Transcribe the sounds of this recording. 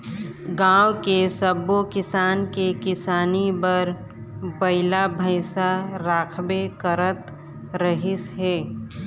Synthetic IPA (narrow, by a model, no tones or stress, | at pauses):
ɡãːwkesəbokɪsaːnkekɪsaːnibəɾ | bəɪlabʱəɪsaɾaːkʰbekəɾət̪ | ɾəɦɪsɦeː